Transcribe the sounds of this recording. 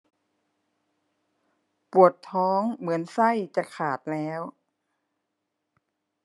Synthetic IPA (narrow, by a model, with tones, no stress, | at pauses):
pu˨˩ət̪ʰːɔː˦˥ŋmɯ˩˦ənsa˥˩jt͡ɕa˧˩kʰaː˨˩t̪̚lɛː˦˥w